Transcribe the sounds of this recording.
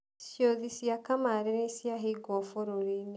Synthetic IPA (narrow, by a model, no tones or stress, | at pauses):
sjoðisijakamaɾinisiaɦiɡɔfoɾoɾine